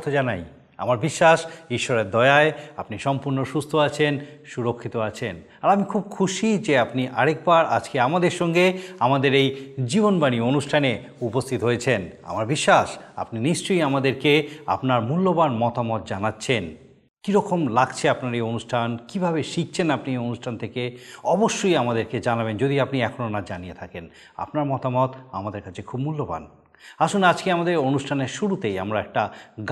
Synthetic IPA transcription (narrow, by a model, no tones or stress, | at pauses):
t̪ʰod͡ʑana̰j | a̰maɾbiʃːaʃiʃːɔɾeɾd̪ɔeaeapniʃɔmpuɾnoʃust̪ʰoat͡ɕʰenʃuɾokʰːit̪oat͡ɕʰen | aɾamikʰub̚kʰuʃid͡ʑeapniʔa̰ɾek̚baɾa̰d͡ʑkeamad̪eɾʃɔŋɡeamad̪eɾejd͡ʑibonbanionuʃʈʰane | upost̪ʰit̪ɦojet͡ɕʰena̰maɾbiʃːaʃa̰pniniʃt͡ɕojamad̪eɾkea̰pnaɾmulːobanmɔt̪amɔt̪̚d͡ʑanatːɕʰen | kiɾɔkomlaɡt͡ɕʰeapnaɾionuʃʈʰankibʱabeʃik̚t͡ɕʰenapnionuʃʈʰant̪ʰekeɔboʃːojamad̪eɾked͡ʑanabend͡ʑod̪iapniɛkʰononad͡ʑanijet̪ʰaken | a̰pnaɾmɔt̪amɔt̪a̰mad̪eɾkat͡ɕʰekʰubmulːoba̰n | aʃunad͡ʑkeamad̪eɾonuʃʈʰaneɾʃuɾut̪eja̰mɾaɛk̚ʈaɡ